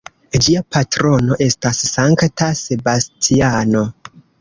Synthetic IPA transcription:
d͡ʒiapʰatɾo̞no̞ʔe̞stasːaŋktase̞bastʰiano̞

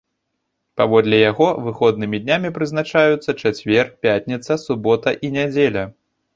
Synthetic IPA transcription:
pavɔd̪lʲɛjaɣɔvɨxɔd̪nɨmʲid̪ʲnʲamʲipɾɨznat͡ʂajut̪sːɐt͡ʂat͡sʲvʲɛrpʲatʲnʲit̪sɐsubɔt̪ɐʔinʲad͡zʲelʲɐ

